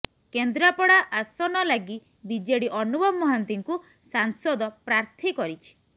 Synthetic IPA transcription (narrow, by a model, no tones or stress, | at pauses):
kend̪ɾapɔɽaʔasɔnɔlaɡi | bid͡ʒeɽiʔɔnubɔbmːɔɦant̪iŋku | saŋsɔd̪ɔpɾaɾt̪ʰikɔɾit͡ʃʰi̥